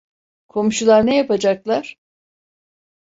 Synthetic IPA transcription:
kʰo̞muʃulˠaɾnɛjapad͡ʒaklˠaɾ̥

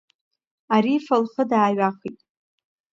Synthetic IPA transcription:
aɾifalχədaːɥaχitʼ

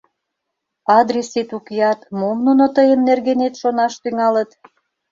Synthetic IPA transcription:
ɑd̪rʲeset̪ukeɑt̪momnunot̪əjəmnerɣenet̪ʃonɑʃt̪yŋɑlət̪

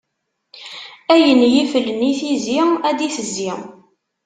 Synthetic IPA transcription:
æjənjifəlːəniθiziæd̪iθəzːi

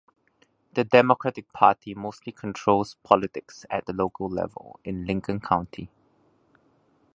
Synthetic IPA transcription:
d̥ədɛmɔkʰɹɛtɪk̚pʰaːtʰimostlikʰɔ̃ntʰɹolspʰɔlɪtɪksɛ̰t̚d̪əlokʰəllɛ̰və̰lɪ̃nlɪ̃ŋkə̃nkʰãʊ̃ntʰi

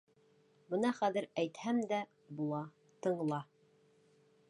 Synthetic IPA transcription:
bɤnɑχæðɘ̆ɾæjt̪hæmd̪æ | bulˠɑ | t̪ɤ̆ɴ̆lˠɑ

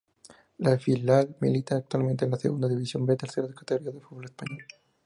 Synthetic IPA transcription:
lafilalmḭlit̪aːk̚t̪walmẽnt̪̬enlaseɣund̪aðiβisjo̞mbet̪eɾθeɾaðekḁt̪eɣoɾiaðefud̪βolespaɲol

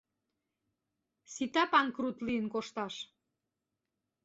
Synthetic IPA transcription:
sit̪ɑpɑŋkrut̪liənkoʃt̪ɑʃ

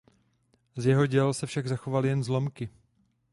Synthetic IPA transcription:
zjɛɦoɟɛlsɛfʃaɡzaxo̞valɪjɛnzlo̞mkɪ

